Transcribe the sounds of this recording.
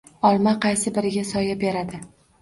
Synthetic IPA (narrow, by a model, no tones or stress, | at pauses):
ɒlˠmaqʰɑjsɪbɪɾɪɡʲasɒjabeɾad̪ɪ